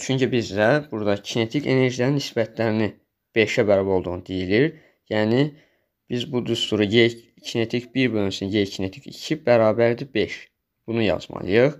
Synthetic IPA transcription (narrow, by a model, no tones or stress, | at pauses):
t͡ʃʰyɲcʰibizd̪æb̥uɾd̪ɑcʰinet̪ʰicʰe̞̰ne̞ɾʒilæninisbæt̪ʰlæɾini | b̥e̞ʃæbæɾɑbæo̞lˠd̪uʁnɯd̪ijiliɾ | jæːni | b̥izbud̪ust̪uɾuje | cʰinet̪ʰicbiɾbølymsinjejcʰinet̪ʰicḭcʰibæɾɑːbæɾd̪ibeʃ | b̥unujɑ̰z̥mɑ̰lˠɯjɯχ